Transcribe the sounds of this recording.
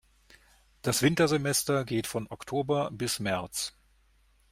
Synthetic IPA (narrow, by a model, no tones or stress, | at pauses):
d̥asv̥ɪntɐzemɛstɐɡeːtfɔnʔɔktʰoːbɐbɪsmɛɐt͡s